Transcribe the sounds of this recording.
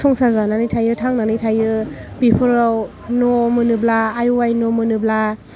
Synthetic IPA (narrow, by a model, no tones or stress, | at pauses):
sʰɔŋsazananɯjtʰajɯtʰaŋnanɯjtʰajɯpipʰɯɾaw | nɔmɯnɯblaːjuwajnɔmɯnɯbla